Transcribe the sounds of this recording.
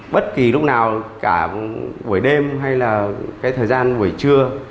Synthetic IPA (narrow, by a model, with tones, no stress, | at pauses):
ɓə˦˥t̚ki˨˩lʊ˦˥k͡p̚naː˨˩wkaː˧˩və˧˩əjɗe˧mɦa˧jlaː˨˩kaː˨˦jt̪ʰəː˨˩jzaː˧nvɨ˨˩jt͡ɕɨ˧ə